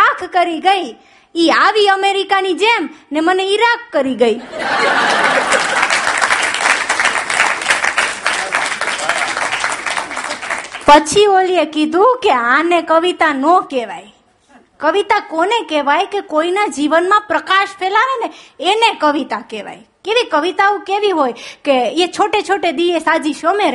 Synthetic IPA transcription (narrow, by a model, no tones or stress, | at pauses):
akʰkəɾiɡəi | iaʋiəmeɾikanid͡ʒemneməneiɾakːəɾiɡəi | pət͡ʃʰioliekid̪ʱũkeãnekəʋit̪anɔkeʋaj | kəʋit̪akonekeʋajkekoinad͡ʒiʋənmãpɾəkaʃpʰelaʋeneenekəʋit̪akeʋa̰j | keʋikəʋit̪aũkeʋiɦojkeet͡ʃʰoʈet͡ʃʰoʈed̪ijesad͡ʒiʃomeɾ